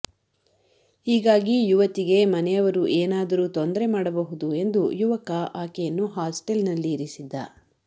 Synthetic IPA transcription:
hiːɡaːɡijuʋɐt̪iɡe̞mɐnɛjɐʋɐɾuʔeːnaːd̪ɐɾuːt̪ond̪ɐɾemaːɽɐbɐɦud̪ue̞nd̪ujuʋɐkɐʔaːkɛjɐnːuɦaːsʈelnɐlːiːɾisid̪ːɐ̰

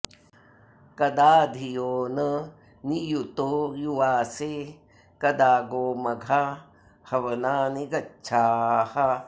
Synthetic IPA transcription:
kɐd̪aːd̪ʱijoːnɐ | nijut̪oːjuʋaːseː | kɐd̪aːɡoːmɐɡʱa | hɐʋɐnaːniɡɐtːʃʰaːhɐ

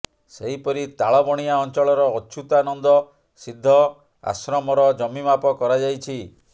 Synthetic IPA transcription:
seɦipɔɾit̪aɭɔbɔɽ̃iaɔnt͡ʃɔɭɔɾɔːt͡ʃʰut̪ɔanɔnd̪ɔ | sid̪ʱːɔ | a̰sɾɔmɔɾɔd͡ʒɔmimapɔkɔɾad͡ʒajt͡ʃʰi

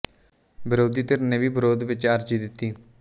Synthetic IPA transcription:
bɪɾoːd̪iːt̪ɪɾneʋiːbɪɾoːd̪ʋɪt͡ʃaɾd͡ʒiːd̪ɪt̪ːiː

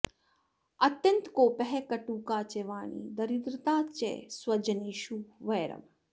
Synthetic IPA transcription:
ɐt̪jɐnt̪koːpɐɦekɐʈuːkaːt͡ʃeʋaːɳḭːd̪ɐɾid̪ɾɪt̪aːt͡ʃḛswɐd͡ʒɐniːʃuʋɐjɾɐ̰m

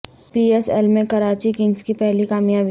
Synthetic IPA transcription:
piːesɛ̰lmẽkɐɾaːt͡ʃikɪ̃ŋɡskipɛɦlikaːmjaːbi

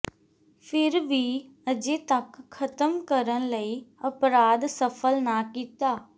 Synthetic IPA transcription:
pʰɪɾʋiː | əd͡ʒeːt̪əkʰːət̪əmkəɾənləiːəpɾaːd̪səpʰəlnaːkiːt̪aː

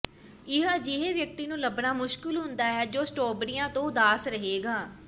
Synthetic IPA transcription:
ɪɦəd͡ʒɪɦeʋjək̚t̪iːnũːləbnaːmʊʃkɪlɦʊnd̪aːɦɛːd͡ʒoːsʈoːbɾɪjãːt̪õːʊd̪aːsɾəɦeːɡaː

